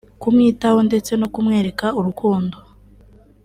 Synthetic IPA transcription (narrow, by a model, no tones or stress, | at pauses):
kumŋiːtaho̞nde̞t͡se̞no̞kumŋe̞ːɾe̞kauɾukuːndo̞